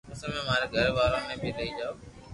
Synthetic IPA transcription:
ʊsəmẽːmãːɾeɡʱəɾʋaːɾõːmẽːbʱɪɾɐɦiːd͡ʒaoː

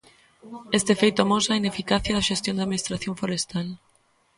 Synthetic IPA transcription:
est̪efejt̪ʊamosainefikaθjɐðɐʃest̪jond̪eaðminist̪ɾaθjõɱfoɾest̪al

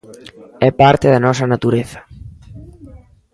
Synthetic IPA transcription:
ɛpaɾt̪ɪðɐnɔsɐnat̪uɾeθɐ̥

